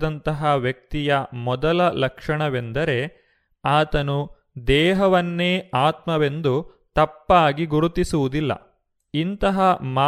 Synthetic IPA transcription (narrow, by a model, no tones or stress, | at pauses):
d̪ɐnt̪ɐɦɐʋjɐk̚t̪ijɐmɔd̪ɐlɐlɐkʂɐɳɐʋe̞nd̪ɐɾe̞ | aːt̪ɐnu | d̪ɛːɦɐʋɐnːe̞ːaːt̪mɐʋe̞nd̪u | t̪ɐpːaːɡiɡuɾut̪isuʋud̪ilːɐ̰ | int̪ɐɦɐmaː